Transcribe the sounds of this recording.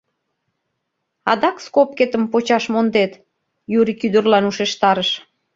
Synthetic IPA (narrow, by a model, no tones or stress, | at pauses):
ɑd̪ɑkskop̚ket̪əmpot͡ɕɑʃmond̪et̪ | juɾikyd̪ərlɑnuʃeʃt̪ɑɾəʃ